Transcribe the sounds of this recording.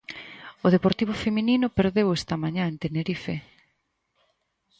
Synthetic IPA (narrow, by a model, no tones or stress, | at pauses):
oðepoɾt̪iβʊfemininʊpeɾðewest̪ɐmaɲãent̪eneɾife